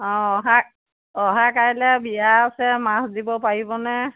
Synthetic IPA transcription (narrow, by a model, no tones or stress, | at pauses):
ɔ̃ɔɦa | ɔɦakajlɛbijasɛmasdibɔpaɹibɔnɛ